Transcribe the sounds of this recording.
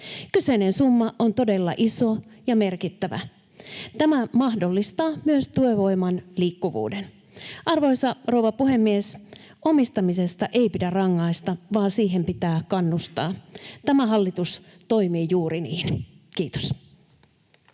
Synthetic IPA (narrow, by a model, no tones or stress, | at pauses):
kysenensumːɑʔo̞nt̪o̞de̞lːɑ̰ʔiso̞jɑme̞rkit̪ːæʋæ̰ | t̪æmæmɑhdo̞lːist̪ɑːmyøst̪ueʋo̞jmɑnliːkːuʋṵːden | ʔɑrʋo̞jsɑrowʋɑpuɦe̞mːies | ʔo̞mist̪ɑmise̞st̪ɑʔe̞jpidærɑŋːɑist̪ɑʋɑːnsiːɦe̞mpit̪æːkɑnːust̪ɑːt̪æmæɦɑlːit̪us | t̪o̞jmiːjuːɾiniːnkiːt̪o̥s